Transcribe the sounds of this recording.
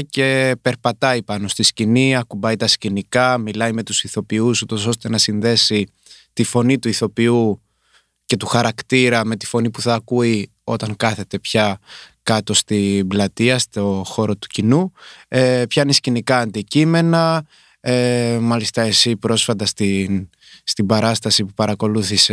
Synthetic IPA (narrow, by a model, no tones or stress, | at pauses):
ce̞pe̞ɾpɐt̪ɐipɐno̞st̪isciniɐkubɐit̪ɐscinikɐmilɐjme̞t̪usiθo̞piusut̪o̞s̬o̞st̪e̞nɐsinðe̞si | t̪ifo̞nit̪uiθo̞piu | ce̞t̪uxɐɾɐkt̪iɾɐme̞t̪i̥fo̞nipuθɐːkui | o̞t̪ɐŋkɐθe̞t̪e̞pçɐkɐt̪o̞st̪iblɐt̪iɐst̪o̞xo̞ɾo̞t̪u̥cinuepçɐnescinikɐːnd̪icime̞nɐ | emɐlist̪ɐesipɾo̞sfɐt̪ɐst̪in | st̪ibɐɾɐst̪ɐsipupɐɾɐko̞luθise